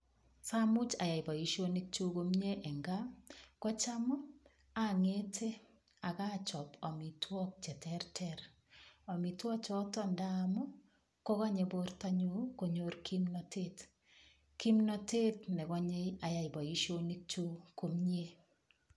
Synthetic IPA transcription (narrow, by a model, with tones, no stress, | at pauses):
sa˦mʊ˦t͡ʃa˨ja˨jba˨i˨˦ʃo˦ni˦k̚t͡ʃu˦ko˦mɲe˦ʔɛ˨ŋɡa˦kɔ˦t͡ʃa˦mɔ˦ | a˦ŋe˦tʰe˦ | a˨ka˦t͡ʃɔ˨pɔ˨mi˨tʰwɔ˦k̚t͡ʃɛ˨tɛ˦rtʰɛɾ | ɔ˨mi˨twɔ˦k̚t͡ʃɔ˦tɔ˦nda˦mɔ˦ | kɔ˦ka˦ɲe˨bo˦rta˦ɲu˦ko˨ɲo˦ɾkʰi˦mnɔ˨tʰe˦˨t | ki˦mnɔ˨te˦tnɛ˨kɔ˦ɲe˦ja˨ja˨jba˨i˦ʃo˦ni˦k̚t͡ʃu˦ko˨mɲe˦